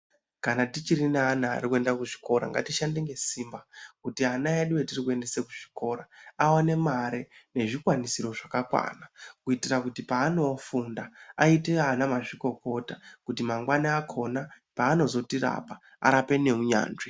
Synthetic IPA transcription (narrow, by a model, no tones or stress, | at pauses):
kanatit͡ʃiɾinaːna̰ːrikue̞ndakuʐi̥ko̞ɾa̰ŋɡa̰tiʃandeŋɡe̞simbakutianajaɗiwetirikue̞nde̞sekuʐ̥iko̞ɾaawane̞maɾene̞ʐikwanisiro̞ʐakakwa̰ːnakuitirakutipaːno̞fundaaiteanamaʐiko̞ko̞takutimaŋɡwanaːkʰo̞na | paːno̞zo̞tiɾa̰pa | a̰ɾape̞ne̞uɲa̰ːnʐi